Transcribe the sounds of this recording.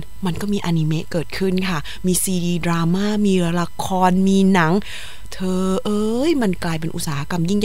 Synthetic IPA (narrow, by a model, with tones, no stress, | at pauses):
ma˧nkɔː˥˩miː˧ʔa˧ni˧me˦˥ʔkɤː˨˩t̪̚kʰɯ˥˩nkʰa˥˩ | miː˧siː˧diː˧dɾaː˧maː˥˩˨miː˧la˧kʰɔː˧nmiː˧na˩˦ŋ | t̪ʰɤː˧ʔɤː˧jma˧nklaː˧jp̬e˧nʔṵ˧t̪̚saː˩˦ha˦˥ka˧mji˥˩ŋ